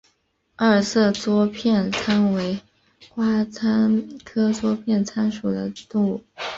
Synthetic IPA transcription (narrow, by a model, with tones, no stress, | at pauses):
ə˞˥˩sɤ˥˩t͡swɔ˥pʰjɛ˥˩nt͡sʰa˥nwe˧˥ɪ | xwa˥t͡sʰa˥nkʰɤ˥t͡swɔ˥pʰjɛ˥˩nt͡sʰa˥nʂu˨˩d̪ə̰˦t̪u˥˩